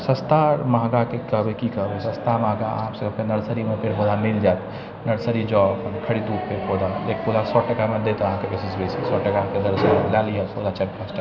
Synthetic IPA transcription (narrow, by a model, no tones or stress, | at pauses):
sə̃st̪amaɦɡakekəɦbekikəɦbɛsə̃st̪amaɦɡaə̰ɦãmsə̃əbkenəɾsəɾimepeʈbod̪ʱameld͡ʒaet̪ | nəɽsəɾid͡ʒɔəpənkʰəɽid̪uppepod̪ʱalekpod̪ʱasɔʈəkamed̪et̪ɔəɦãkebesisbesi̥sɔʈəkaked̪əɾsəlaliəpod̪at͡ʃək̚pʰasʈə